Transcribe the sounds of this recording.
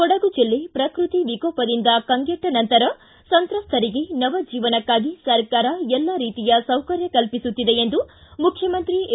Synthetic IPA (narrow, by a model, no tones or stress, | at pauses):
kɔɽɐɡud͡ʒilːepɾɐkɾut̪iʋikoːpɐd̪ind̪ɐkɐŋɡeʈːɐnɐnt̪ɐɾɐ | sɐnt̪ɾɐst̪ʰɐɾiɡe̞nɐʋɐd͡ʒiːʋɐnɐkːaːɡisɐɾkaːɾɐɛlːaɾiːt̪ijɐsɐwkɐɾjɐkɐlpisut̪ːid̪e̞end̪umukʰjɐmɐnt̪ɾi